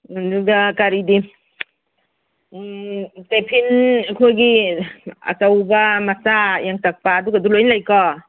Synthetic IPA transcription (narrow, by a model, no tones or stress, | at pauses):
duɡakaɾidi | tepʰinekʰojɡi | a̰t͡ʃawbɐmasajaŋtak̚paːduɡadulojnlajkɔ